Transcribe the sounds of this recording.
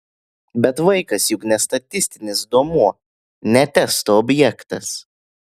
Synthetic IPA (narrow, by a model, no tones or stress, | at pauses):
bʲɛt̪ʋɐɪkɐsjʊknʲɛst̪ɐt̪ʲɪsʲt̪ʲɪnʲɪsd̪oɔmuɔ | nʲɛt̪ʲɛst̪oɔbʲjɛkt̪ɐs